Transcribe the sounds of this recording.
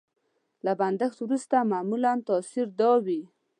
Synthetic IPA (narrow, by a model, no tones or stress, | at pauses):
laband̪əxt̪wɾust̪amamulant̪ɑsiɾd̪ɑwi